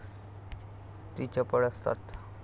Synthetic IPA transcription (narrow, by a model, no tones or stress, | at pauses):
t̪it͡ɕapəɽəst̪a̰t̪